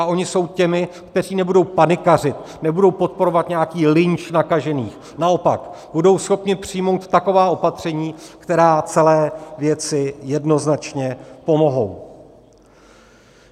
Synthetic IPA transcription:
aʔo̞ɲɪso̞wcɛmɪkt̪ɛr̝iːnɛbudo̞wpanɪkar̝ɪt̪ | nɛbudo̞wpo̞t̪̚po̞ɾo̞vat̪ɲɛakiːlɪɲt͡ʃnakaʒɛniːx | nao̞pakbudo̞wsxo̞pɲɪpr̥ɪjmo̞wt̪ːako̞vaːʔo̞pat̪r̝̥ɛɲiːkt̪ɛɾaːt͡sɛlɛːvjɛt͡sɪjɛdno̞znat͡ʃɲɛpo̞mo̞ɦo̞̰w

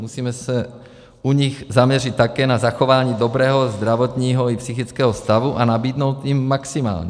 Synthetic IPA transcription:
musiːmɛsɛ | uɲiɣzamɲɛrit̪̚t̪ːakɛːnazaxovaːɲiːd̪obɾɛːɦozd̪ɾavot̪ɲiːɦoipsixit͡skɛːɦɔst̪avuʔanabiːd̪nowt̪jimːaksima̰ːlɲɛ

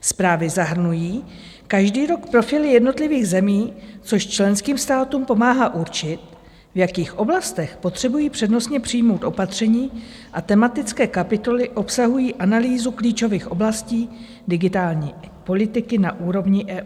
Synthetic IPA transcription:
spɾaːvɪzaɦr̩nujiː | kaʒdiːɾo̞kpɾo̞fɪlɪjɛdno̞t̪lɪviːɣzɛmiːt͡so̞ʃt͡ʃlɛnskiːmst̪aːt̪uːmpo̞maːɦaːʔuɾt͡ʃɪt̪̚ | vjakiːxʔo̞blast̪ɛxpo̞t̪r̥ɛbujiːpr̥ɛdno̞sɲɛpr̝̥ijmo̞wt̪ʔo̞pat̪r̝̥ɛɲiː | ʔat̪ɛmat̪ɪt͡skɛːkapɪt̪o̞lɪʔo̞psaɦujiːʔanaliːzukliːt͡ʃo̞viːxʔo̞blasciː | dɪɡɪt̪aːlɲiːpo̞lɪt̪ɪkɪnaʔuːɾo̞vɲɪʔɛːʔː

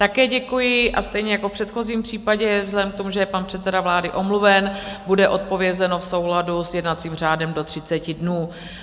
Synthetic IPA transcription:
t̪akɛːɟɛkujɪʔast̪ɛjɲɛjakofpr̝̥ɛt̪xo̞ziːmpr̝̥iːpaɟɛvzlɛdɛmk̚t̪omuʒɛjɛpanpr̥ɛt̪t͡sɛdavlaːdɪʔo̞mluvɛnbudɛʔo̞t̪̚po̞vjɛzɛno̞fso̞wladusjɛdnat̪t͡siːmr̝aːdɛmdo̞t̪r̝̥ɪt͡sɛcɪdnuː

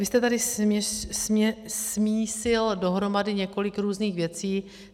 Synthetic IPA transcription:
vɪst̪ɛt̪adɪɛsɛsmiːsɪldo̞ɦɾo̞madɪɲɛko̞lɪkɾuːzniːxvjɛt͡siː

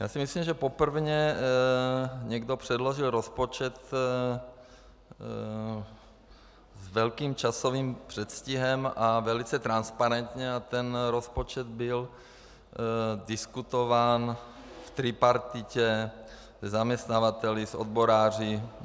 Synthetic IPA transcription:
jaːsimisliːmʒɛpopr̩vɲɛ | ɲɛɡdopr̥ɛdloʒɪlɾospot͡ʃɛt̪ | zvɛlkiːmt͡ʃasoviːmpr̥ɛt̪sciɦɛmavɛlit͡sɛt̪ɾanspaɾɛnt̪ɲɛat̪ɛnɾospot͡ʃɛd̪̚bɪl | dɪskut̪ovaːn | ft̪ɾipaɾt̪ɪcɛ | zɛzamɲɛst̪navat̪ɛlɪsod̪̚boɾaːr̝ɪ

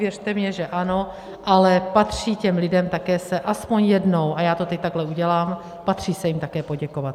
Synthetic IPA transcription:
vjɛrt̪ɛmɲɛʒɛʔano̞ | ʔalɛpat̪r̥iːcɛmlɪdɛmt̪akɛːsɛʔaspo̞ɲjɛdno̞wʔajaːt̪ot̪ɛc̚t̪aɡɦlɛuɟɛlaːm | pat̪r̝̥iːsɛjɪmt̪akɛːpoɟɛko̞vat̪̚

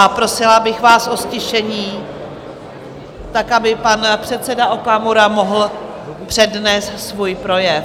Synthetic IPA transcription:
apɾo̞sɪlabɪxvaːsʔo̞scɪʃɛɲiː | t̪akʔabɪpanpr̝̥ɛt̪sɛdaʔokamoɾamo̞ɦl̩ | pr̥ɛdnɛːst̪svuːjpɾo̞jɛ

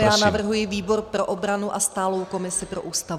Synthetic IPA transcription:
jaːnavr̩ɦujɪviːbo̞ɾpɾo̞ʔobɾanuʔast̪aːlo̞wko̞mɪsɪpɾo̞ʔuːst̪a

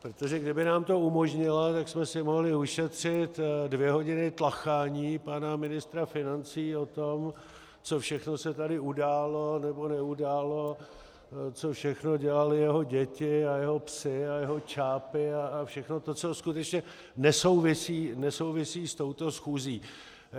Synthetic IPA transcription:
pɾot̪o̞ʒɛɡdɪbɪnaːmt̪o̞umo̞ʒɲɪlat̪aksmɛsɪmo̞ɦlɪuʃɛt̪r̝̥ɪt̪dvjɛɦo̞ɟɪnɪt̪laxaːɲiːpanamɪnɪst̪ɾafɪnant͡siːo̞t̪o̞m | t͡so̞fʃɛxno̞sɛt̪adɪudaːlonɛbo̞nɛudaːlo̞ | t͡so̞fʃɛxno̞ɟɛlalɪjɛɦo̞ɟɛcɪajɛɦo̞psɪajɛɦo̞t͡ʃaːpɪaːfʃɛxno̞t̪ot͡so̞skut̪ɛt͡ʃɲɛ | nɛso̞wvɪsiːnɛso̞wvɪsiːst̪o̞wt̪o̞sxuːziː

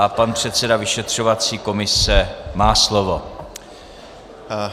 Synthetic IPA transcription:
ʔapanpr̥ɛt̪sɛdavɪʃɛt̪r̝̥ovat͡siːko̞mɪsɛmaːslovo̞

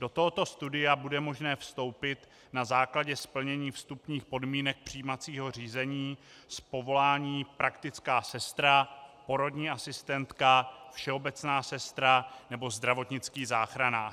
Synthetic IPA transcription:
d̥o̞t̪oɦot̪o̞st̪udɪjabudɛmo̞ʒnɛːfst̪o̞wpɪt̪ | nazaːklaɟɛspl̩ɲɛɲiːfst̪upɲiːxpo̞dmiːnɛk̚pr̝̥iːmat͡siːɦo̞r̝iːzɛɲiː | spo̞vo̞laːɲiːpɾakt̪ɪt͡skaːsɛst̪ɾapo̞ɾo̞dɲiːasɪst̪ɛnt̪kafʃɛo̞bɛt͡snaːsɛst̪ɾanɛbo̞zd̪ɾavo̞t̪ɲɪt͡skiːzaːxɾanaː

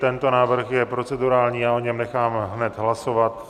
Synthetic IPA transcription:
t̪ɛnt̪o̞naːvr̩xjɛpɾo̞t͡sɛduɾaːlɲiːjaːʔoɲɛmnɛxaːmɦnɛt̪ɦlaso̞vat̪

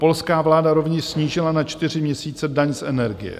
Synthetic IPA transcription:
po̞lskaːvlaːdaɾo̞vɲɛʃsɲiːʒɪlanat͡ʃt̪ɪr̝ɪmɲɛsiːt͡sɛdaɲsʔɛnɛɾɡɪ̰jɛ̰

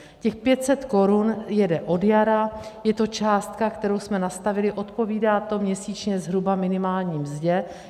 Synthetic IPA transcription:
cɛxpjɛt̪sɛt̪ko̞ɾunjɛdɛʔo̞djaɾajɛt̪o̞t͡ʃaːst̪kakt̪ɛɾo̞wsmɛnast̪avɪlɪʔo̞t̪po̞viːdaːt̪o̞mɲɛsiːt͡ʃɲɛzɦɾubamɪnɪmaːlɲiːmzɟɛ

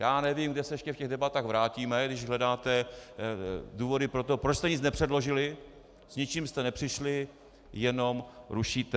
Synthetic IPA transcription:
jaːnɛvimɡdɛsɛjɛʃcɛfcɛɣdɛbat̪aːɣvɾaːciːmɛɡdɪʃɦlɛdaːt̪ɛ | duːvo̞dɪpɾo̞t̪o̞pɾot͡ʃst̪ɛɲɪt͡snɛpr̥ɛdlo̞ʒɪlɪ | sɲɪt͡ʃiːmst̪ɛnɛpr̝̥ɪʃlɪ | jɛno̞mɾuʃiːt̪ɛ

